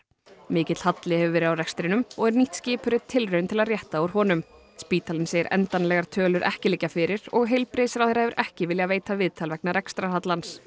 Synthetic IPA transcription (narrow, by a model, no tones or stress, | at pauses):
mɪːcɪt̪lhat̪lɪhɛvʏvɛːɾɪawrɛkst̪ɾɪnʏmɔɣɛɾniht̪scɪːpʏɾɪt̪ʰɪlrœːɥnt̪ʰɪlaðrjɛht̪auɾ̥hɔnʏm | spiːt̪ʰalɪnseɾɛ̰nt̪anlɛɣaɾ̥t̪ʰœːlʏɾʔɛ̰hcɪliːcːafɪɾɪɾ̥ɔɣɦejlpɾeːjsɪɾawθɛɾːahɛvɪɾʔɛhcɪvɪljaveːjt̪avɪðt̪ʰalvɛk̚naɾɛkst̪ɾaɦat̪lans